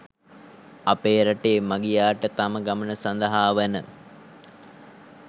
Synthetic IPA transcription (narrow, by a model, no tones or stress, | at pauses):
apeːɾaʈeːmaɡijaːʈət̪aməɡamənəsand̪əɦaːʋænə